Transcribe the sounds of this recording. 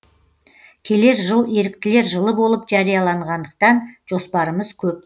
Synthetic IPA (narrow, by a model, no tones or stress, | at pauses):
kʲʰe̞le̞ɾʒəlˠe̞ɾɪk̚t̪ɪle̞ɾʒəlˠəbo̞lˠəpʒɑɾijɑlˠɑɴʁɑnd̪əq̚t̪ɑnʒ̥o̞spɑɾəməz̥kʲʰɵp̚